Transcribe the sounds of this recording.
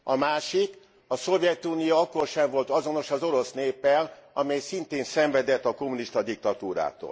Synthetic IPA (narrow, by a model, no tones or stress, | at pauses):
ɒmaːʃik | ɒso̞vjɛt̪uːnijoɒkːo̞rʃɛɱvo̞lt̪ɒzo̞no̞ʃɒzo̞ɾo̞sneːpːɛlɒmɛjsint̪eːnsɛɱvɛd̪ɛt̪ːɒko̞muniʃt̪ɒd̪ik̚t̪ɒt̪uːɾa̰ːt̪o̰ːl